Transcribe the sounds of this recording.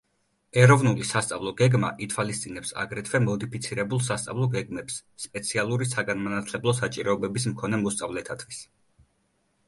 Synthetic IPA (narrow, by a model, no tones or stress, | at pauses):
ɛɾɔvnulisast̪sʼavlˠɔɡɛɡma̰ʔit̪ʰwalist̪sʼinɛpsa̰ɡɾɛt̪ʰvɛmɔd̪ipʰit̪sʰiɾɛbulˠs̬ast̪sʼa̰vlˠɔɡɛɡmɛpsːpʼɛt̪sʰialˠuɾisaɡanmanat̪ʰlɛblˠɔsat͡ʃʼiɾɔːbɛbis̬mkʰɔnɛmɔst̪sʼavlɛt̪ʰat̪ʰvis